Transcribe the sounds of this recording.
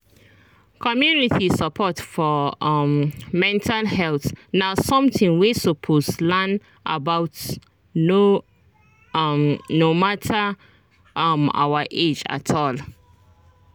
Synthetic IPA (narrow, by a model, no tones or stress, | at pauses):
kʰɔmjunitʰisəpʰɔtfɔmmɛ̃ntʰalhɛlθnasɔ̃mtĩŋwisəpʰoslan | ʔa̰bawt | no | mnomatʰə | ma̰wəʔed͡ʒa̰tʰɔl